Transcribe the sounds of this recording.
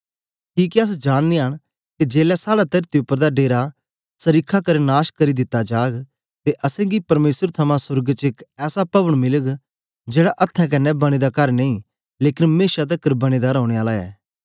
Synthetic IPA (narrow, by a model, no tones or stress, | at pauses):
kiːkiɐs̬d͡ʒaːnːiaɽ̃ | ked͡ʒeːlɛsaːɽat̪ɐɾt̪iʊpːəɾd̪aɖeːɾa | sɐɾikʰakɐɾenaːʃkɐɾid̪ɪt̪ːad͡ʒaːɡ | t̪eʔɐsɛ̃ɡipɐɾmeːsəɾt̪ʰɐmãsʊɾɡt͡ʃɪkɛːsapɐbəɽ̃mɪləɡ | d͡ʒeːɽaʔɐt̪ʰːɛ̃k̬ɐnːɛbɐɽ̃id̪akɐɾnɐ̃ĩ | leːkɪnmeːʃat̪̬ɐkəɾbɐɽ̃id̪aɾɔːɽ̃eaːlaɛ̰ː